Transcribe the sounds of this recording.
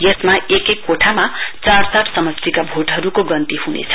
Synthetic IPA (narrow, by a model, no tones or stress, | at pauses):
jesmaekekkːoʈʰamat͡sarsaʈʰsʌmʌst̪ikabʱoʈɦʌɾukoɡʌnt̪iɦunḛt͡sʰʌ̥